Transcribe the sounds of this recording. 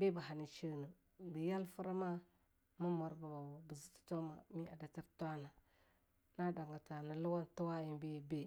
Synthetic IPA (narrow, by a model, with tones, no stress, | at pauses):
be˦ba˨ɦa˨ni˨t͡ʃə˦nu˨ | bə˨ja˦lfu˦ɾa˦ma˦ | mu˦mo˨ɾba˨ba˨wbə˨zi˦ti̥˨to˦ma̰˨mi˦a˨da˨ti˦ɾtʷa˦na˨ | na˦da˨ŋɡa˨ta˨na˨lu˦wa˦ntu˦wa˦ji˦nbe˦be˦